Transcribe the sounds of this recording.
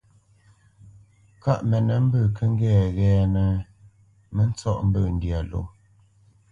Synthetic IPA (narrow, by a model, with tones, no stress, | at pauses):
ka˦˨ʔmɛ˨nə˨m̩˦bə˦˨kʰə˦ŋ̩˦ɡɛː˦˨ɣɛː˨nə˨ | mə˦n̩˦t͡sɔ˦ʔm̩˦bə˦˨n̩˨dja˨lo̰˨˦˨